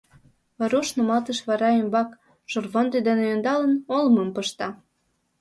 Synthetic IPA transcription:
βɑɾoʃnomɑt̪əʃβɑɾɑembɑk | ʃorvond̪ed̪enejond̪ɑlə̆nolməmpəʃt̪ɑ

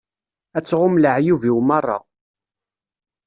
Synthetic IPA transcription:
æt͡sːʁʊmləʕjuviwmɑrˤːɑ̰

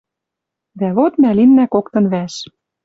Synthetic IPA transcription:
d̪æβot̪mælinːækokt̪ɤ̆nβæʃ

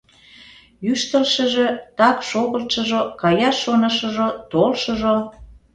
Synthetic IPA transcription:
yʃt̪ə̆lʃə̆ʒe̽t̪ɑkʃoɣə̆lt̪ʃəʒokɑjɑʃonə̆ʃə̆ʒot̪olʃə̆ʒo

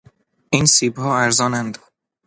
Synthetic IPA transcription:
insiːbhɒːæɾzɒːnænd̪

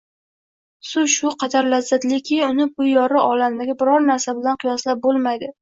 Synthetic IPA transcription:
sʊʃʊqʰɑd̪aɾlazːat̪lekʲʰɪʊnɪbʊjɒɾɪʔɒlamd̪aɡʲabɪɾɒɾnaɾsabɪlanqʰɨjɒslap̚bolˠmajd̪ɪ

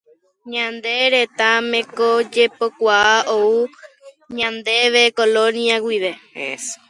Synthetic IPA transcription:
ɲãnd̪e̞ɾe̞t̪amẽ̞kod͡ʒepo̞kʷaaʔou | ɲãnd̪e̞ʋekolõnjawiʋe̞

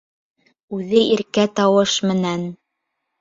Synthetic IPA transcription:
ʉðɘʔiɾkæt̪ɑwɤʃmɘ̆næn

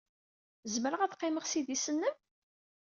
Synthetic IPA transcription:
zməɾəʁæθqːɪməʁsiðisənːəm

